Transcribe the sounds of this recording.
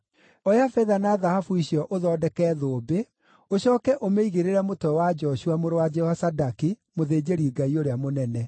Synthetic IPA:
ɔjafɛðanaðahafuiɕiɔʔoðɔdɛkɛðoːbe | oɕɔːkɛʔomeiɣeɾeɾɛmotɛwad͡ʒɔʃuamoɾowad͡ʒɛwasadakimoðeːd͡ʑeɾiɡaioɾeamonɛnɛ

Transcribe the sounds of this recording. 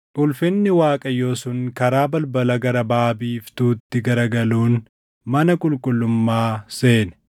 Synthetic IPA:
ʔʊlfɪnːɪwaːkʼɐjo̞ːsʊŋkɐɾaːbɐlbɐlɐɡɐɾɐbaːbiːft̪uːt̪ːɪɡɐɾɐɡɐluːn | mɐnɐkʼʊlkʼʊlːʊmːaːse̞ːnɛ̥

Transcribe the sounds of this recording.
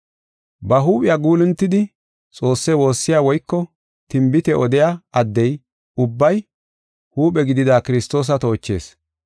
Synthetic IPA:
bɐɦuːpʼɪjaːɡuːlɪnt̪ːɪd̪ɪ | t͡sʼo̞ːsːɛwo̞ːsːɪjaːwɔjkːɔ | t̪ɪmbɪt̪ɛʔɔd̪ɪjaɐd̪ːɛj | ʊbːɐj | huːpʼɛɡɪd̪ɪd̪aːkɪɾɪst̪o̞ːs̬ɐt̪o̞ːt͡ʃːe̞̰ːs

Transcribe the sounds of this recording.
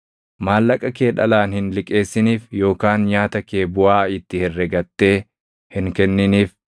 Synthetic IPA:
maːlːɐkʼɐke̞ːᶑɐ̰laːnhɪnlɪkʼe̞ːsːɪniːfjo̞ːkaːnɲaːt̪ɐke̞ːbʊaːɪt̪ːɪhɛrːɛɡɐt̪ːe̞ː | hɪŋkɛnːɪniːf

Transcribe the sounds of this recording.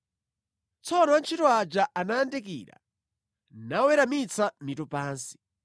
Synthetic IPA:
t͡sʰɔnɔant͡ʃʰitɔad͡ʒaʔanaːndɛk̬ḭːɾa̰ | nawɛɾamit͡sʰamitɔpaːnsi̥

